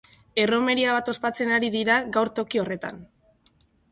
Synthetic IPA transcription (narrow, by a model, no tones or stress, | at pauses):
e̞ro̞me̞ɾiaβ̞at̪o̞spat͡se̞naɾiðiɾaɣawɾt̪o̞kio̞re̞t̪a̰n